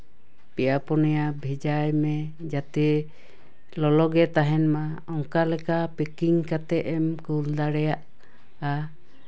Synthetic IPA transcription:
pɛjapɔnɛjabʱid͡ʒajmɛ | d͡ʒat̪ɛ | lɔlɔɡɛt̪aɦɛnma | ɔŋkalɛkapɛkiŋkat̪ɛʔɛmkuld̪aɾɛjaʔ | a

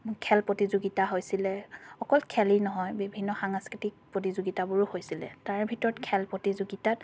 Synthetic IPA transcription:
kʰɛlpɹotizuɡitaɦojsilɛxɔkɔlkʰɛliɹnɔɦɔjbibʱinːɔxaŋaskitik̚pɹotizuɡitabʊɹuhojsilɛ̰taɹbʱitɔɹɔtkʰɛlpɹotizuɡitat̚

